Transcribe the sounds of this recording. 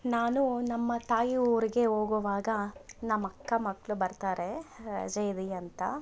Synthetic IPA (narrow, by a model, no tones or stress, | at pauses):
naːnunɐmːɐt̪aːjiuːɾiɡe̞ɦoːɡuʋaːɡɐnɐmːɐkːɐmɐkːɐɭubɐɾt̪aːɾḛd͡ʒɐjd̪iɐnt̪ɐ